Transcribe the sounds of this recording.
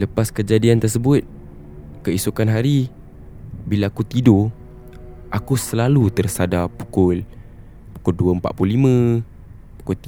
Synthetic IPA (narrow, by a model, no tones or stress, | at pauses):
ləpaskəd͡ʒadiant̪ərsəbʊt̪̚ | kəisukanɦaɾi | bilaːkut̪ido | akusəlalut̪ərsadapu̥kʊl | pu̥kʊlduəəmpa̰ʔ̚plulimə̃ | pu̥kʊlt̪